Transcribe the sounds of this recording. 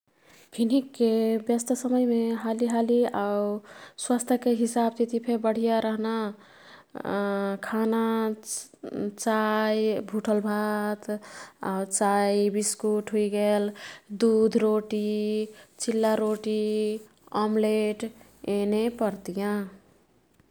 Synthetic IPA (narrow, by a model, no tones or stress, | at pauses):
pʰinikːebjəst̪ʰəsəməjmeɦaliɦaliawswast̪ʰjəkeɦisab̚t̪it̪ipʰebəɽ̤ijaɾəɦna | kʰana | t͡ʃajbʱuʈʰəlbʱat̪a̰wt͡ʃajbiskuʈɦuiɡeld̪ud̪ʱɾoʈi | t͡ʃilːaɾoʈi | amleʈ | enepəɾt̪ijã